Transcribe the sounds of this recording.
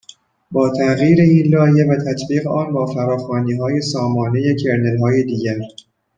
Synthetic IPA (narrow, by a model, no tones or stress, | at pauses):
bɒːt̪ʰæɣjiːɾe̞iːnlɒːje̞væt̪ʰæt̪ʰbiːɣeʔɒːnbɒːfæɾɒːxɒːniːɦɒːje̞sɒːmɒːne̞je̞cʰe̞ɾnelɦɒːje̞d̪iːɟæɾ